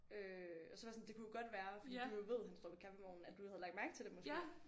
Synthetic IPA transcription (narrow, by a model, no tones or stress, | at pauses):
øɒ̽sɒʋɑsɒ̽nd̥e̝kʰujoɡ̥ɒ̽d̥ʋæːɐfɒd̥i̥ːujo̝ʋe̝ð̞̰ˠensd̥ɒ̰pʰi̥kʰæfemɔ̰ːn̩æd̥uhæðˠlɑ̈ɡ̥̚mæɐɡ̥ˠt͡sʰe̝d̥emosɡḛ